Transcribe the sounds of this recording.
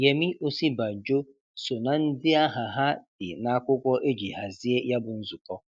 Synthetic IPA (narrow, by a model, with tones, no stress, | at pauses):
je˨mi˦ʔo˦si˦ba˨d͡ʒo˦ | so˨na˨n̩˦dɪ˦a˦ɦa˨ɦa˦d̥ɪ˨na˦kʷʊ˦kʷɔ˦ʔe˦d͡ʒi˨ɦa˨zi˦e˦ja˦bʊ˨n̩˦zu˨kɔ˦